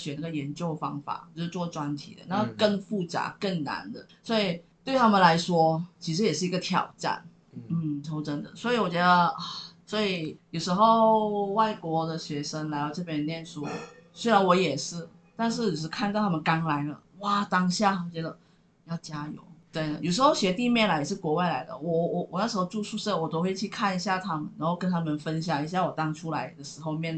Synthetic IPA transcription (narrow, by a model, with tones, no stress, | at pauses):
ɕɥɛ˨˩na˥˩ɡə˩jɛ˧˥nt͡ɕjo˥˧ʊfɑ˥ŋfa̰˨˩˦ʂ̩˥˩t͡swɔ˥˩ʈ͡ʂwa˥nt̪ʰḭ˨˩d̪ə̰˦na˥˧kə˥˧nfu˥˩t͡sa̰˧˥kə˥˩ŋna̰˧˥nd̪ə˧˨swɔ˧˥i˨˩t̪we˥˩ɪt̪ʰa˥mə˨nla˧˥ɪʂwɔ˥t͡ɕʰi˧˥ʂɻ̩˧˥jɛ˨˩ʂɻ̩˥˩i˧˥ɡə˧t̪ʰjɑ̰˨˩ʊʈ͡ʂa̰˥˩n | n̩˥˩t̪ʰo˧˥ʊʈ͡ʂə˥nd̪ə̰˨swɔ˧˥i˧˥wɔ˨˩t͡ɕɥɛ˧˥d̪ə˧a˥˩swɔ˧˥i˨˩jo˨˩ʊʂɻ̩˧˥xo˥˧ʊwa˥˩ɪkwɔ˧˥d̪ə˨ɕɥɛ˧˥ʂə˥ŋla˧˥ɪd̪ɑ˥˧ʊʈ͡ʂɤ˥˩pjɛ˥˩njɛ˥˩nʂu˥swe˥ɪla˧˥nwɔ˧˥jɛ˨˩ʂɻ̩˥˩ | t̪a˥˧nʂ̬ɻ̩˥˩˨ʂ̬ɻ̩˥˩kʰa˥˧nt̪ɑ˥˩t̪ʰa˥mə˨nkɑ˥ŋla˧˥ɪlə˧wa˥˩t̪ɑ˥ŋɕja˥˩˨t͡ɕɥɛ˧˥d̪ə˧ | jɑ˥˩ʊt͡ɕja˥jo̰˨˩˦ʊt̪we˥˩ɪd̪ə̰˩jo˨˩ʊʂ̬ɻ̩˧˥xo˥˧ʊɕɥɛ˧˥t̪i˥˧mjɛ˥˩nla˧˥ɪ˨ʂɻ̩˥˩kwɔ˧˥wa˥˩ɪla˧˥ɪd̪ə̰˧wɔ˨˩wɔ˨˩wɔ˨˩na˥˩ʂɻ̩˧˥xo˥˧ʊʈ͡ʂu˥˧ʂu˥˧ʂə˥˩wɔ˨˩t̪o˥ʊxwe˥˧ɪt͡ɕʰy˥˧kʰa˥˩ni˧˥ɕja˥˩t̪ʰa˥mə̰˨na˧˥xo˥˧kə˥nt̪ʰa˥mə˨nfə˦˥nɕjɑ˨˩ŋi˧˨˥ɕja˥˩wɔ˨˩t̪ɑ˥ŋʈ͡ʂʰu˥la˧˥ɪd̪ə˨ʂɻ̩˧˥xo˥˧ʊmjɛ˥˧n